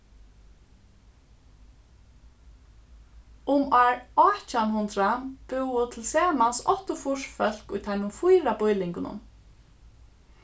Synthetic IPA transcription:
ʊmaɹɔt͡ʃanhʊnt̪ɾab̥ʊwʊt̪ʰɪlsɛːmansɔht̪ʊfʊʂfœl̥kʊjt̪ʰaɪjnʊmfʊjɾapʊjlɪŋkʊnʊ̰n

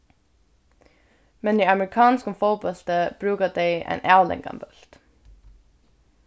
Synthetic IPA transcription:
mɛnd̪iɪɑmɹɪkʰɑːnskofoʊbɑlt̪əb̥ɾʉːkəd̪eɪʔæ̰ɪnʔæʊlɛ̰ŋɡɑ̰mbœlt̪

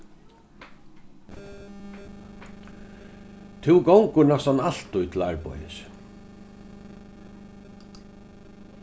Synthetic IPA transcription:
t̪ʰɪwɡowŋkʊnɛst̪anal̥t̪ʊjt̪ʰɪla̰ɹpɔ̰jɪ̰s

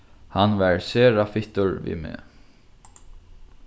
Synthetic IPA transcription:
hanʋæɹseːɾafɪt̪əɹʋḭmḛː

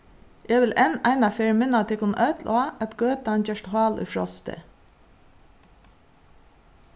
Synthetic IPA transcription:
jeːʋɪlʔɛnæɪnɑfeːɹmɪnɑt̪ʰɪkʊnʔœt̪lʔɑːʔɛt̪ɡøːt̪ɑncɛʃthɑːlʉ̰ːfɹɔ̰st̪ə̰

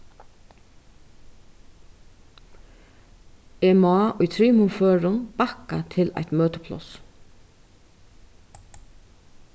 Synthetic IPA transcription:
ɛmːʔʊjt̪ʰɾiːmʊmføːɹʊnpaka̰t̪ʰɪla̰ht̪møːt̪ə̥pʰlɔ̰s

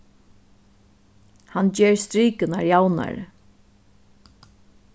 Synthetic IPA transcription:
hand͡ʒeːɹst̪ɾiːkənaɹjawna̰ɹ

